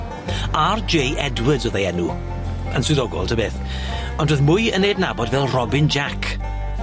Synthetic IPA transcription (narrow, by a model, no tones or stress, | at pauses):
ard͡ʒejʔɛdwədzɔðejɛnu | ənsɨðɔɡɔ̰lˠtʰəbeːθ | ɔndoðmʊjənːeːdnabɔdvɛlˠrɔbɪnd͡ʒakʰ